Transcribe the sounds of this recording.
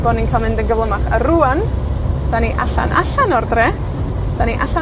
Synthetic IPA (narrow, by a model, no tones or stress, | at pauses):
b̥ɔninkʰalˠmɪndənɡəvlˠəmaχə̰ruand̥aniʔaɬa̰nʔa̰ɬanɔrdrɛ | d̥aniʔaɬa